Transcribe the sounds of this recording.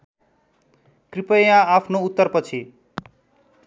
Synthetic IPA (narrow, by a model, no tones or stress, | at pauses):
kripʌjãapʰnout̪ːʌrpʌt͡sʰi